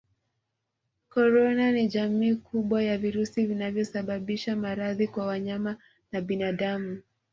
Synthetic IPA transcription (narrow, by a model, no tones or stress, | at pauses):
kɔɾɔnaniʄamiːkʰuɓwajaviɾusivinavjɔsaɓaɓiʃamaɾaðikwawaɲama | naɓinaɗamu